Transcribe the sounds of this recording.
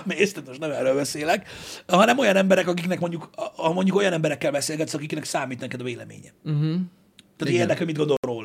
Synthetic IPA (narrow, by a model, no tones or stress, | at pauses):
mest̪ɛt̪moʃnɛmɛrːøːlbɛseːlɛkhɒnɛmo̞jɒnɛmbɛɾɛkɒkiknɛkmo̞ɲɟukmo̞ɲɟuko̞jɒnɛmbɛɾɛkːɛlbɛseːlɡɛt̪sɛɒkiknɛksaːmiːt̪nɛkɛd̪ɒveːlɛ̰mḛːɲɛ̰ | t̪ːaːt̪eːrd̪ɛkhomid̪ɡod̪olroːl